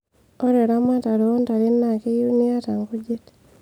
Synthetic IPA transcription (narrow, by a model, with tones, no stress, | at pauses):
o˦ɾe˨ɾa˦ma˦ta˨ɾo˨˦nta˨ɾi˦nna˨ke˦ju˦ni˦a˦ta˨ŋɡo˦d͡ʒe˦t